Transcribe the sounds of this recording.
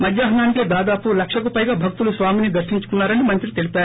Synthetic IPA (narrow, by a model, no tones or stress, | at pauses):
mɐd͡ʒ̪jaːɦɐnaːniked̪aːd̪aːpulɐkʂɐkupɐjɡabʱɐɡ̚t̪ulusʋaːminid̪ɐɾʃnint͡ʃu̥kunːaːɾɐnːimɐnt̪ɾit̪elipaː